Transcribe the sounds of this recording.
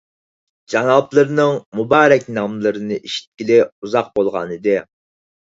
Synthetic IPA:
d͡ʒɑnɑplˠəɾnɨŋmubɑːɾɛkʲnɑmlˠɨɾɨnɨʔeʃi̥t̪̚kʲilɪuzɑq̚bolˠʁɑ̰nɨd̪ɨ

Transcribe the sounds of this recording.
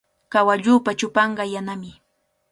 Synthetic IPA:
kawaʎuːpat͡ʃʊpɑɴɢɑjanamɪ

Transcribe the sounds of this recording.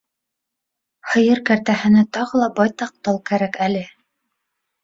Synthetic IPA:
hɤ̆jɤɾkæɾt̪æhɘ̆nɘt̪ɑʁɤ̆lˠɑbɑjt̪ɑq̚t̪ɑlˠkæɾækælɘ

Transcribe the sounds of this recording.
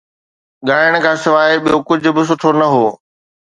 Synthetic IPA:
ɠaːɪəɽ̃̆kʰãːsɪʋaːɦɪɓijokʊd͡ʑʱʊ̆bɪs̬ʊʈʰonɐɦoː

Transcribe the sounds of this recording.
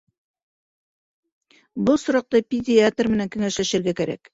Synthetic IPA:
bɤlˠsŏɾɑq̚t̪ɑpʲɪdʲɪat̪rmɘ̆næŋkɘ̆ŋæʃlæʃɘ̆ɾɡækæɾæ̰k

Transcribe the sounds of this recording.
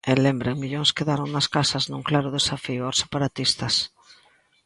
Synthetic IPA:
elembɾeŋmiʎoŋskeðaɾoŋnɐskasɐznũŋklaɾʊðesafiʊase̥paɾat̪ist̪ɐs

